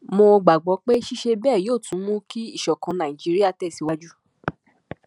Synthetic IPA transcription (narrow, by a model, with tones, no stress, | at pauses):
mo˧ɡ͡ba˨ɡ͡bɔ˨˦k͡pe˦ʃi˦ʃe˧bɛː˦˨joː˦˨tũ˨˦mũ˦ki˦i˦˨ʃɔ˨kã˨˧nã˨i˨d͡ʒi˦ɾi˦a˦˨tɛ˦˨si˨wa˦d͡ʒu˦